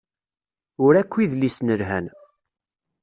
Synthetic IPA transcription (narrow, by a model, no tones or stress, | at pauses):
ʊɾækʷːiðlisnəlɦæ̰n